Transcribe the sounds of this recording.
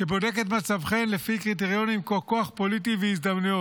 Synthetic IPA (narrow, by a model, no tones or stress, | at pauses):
ʃebo̞de̞ket̪̬mat͡savχenlefikʁit̬eʁijo̞nimkoko̞aχpolit̬iveizd̪amnujot